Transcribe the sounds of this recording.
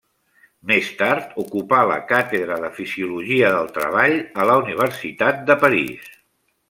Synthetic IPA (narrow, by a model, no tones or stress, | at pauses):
mest̪aɾt̪ukupalə̰kat̪eðɾəðəfiziuluʒiəðəlˠt̪ɾə̰β̞aʎələuniβ̞əɾsit̪at̪̚d̪əpəɾḭs